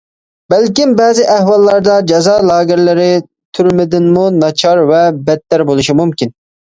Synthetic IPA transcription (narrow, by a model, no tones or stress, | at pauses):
bɛlkʲimbɛːzɪʔæhwɑlˠːɑɾd̪ɑd͡ʒɑzɑlˠɑːɡɪɾlɪɾɪ | t̪ʰyɾmɪd̪ɪnmunɑt͡ʃʰɑɾvɛbɛt̪ːæɾbolˠuʃimumkʲin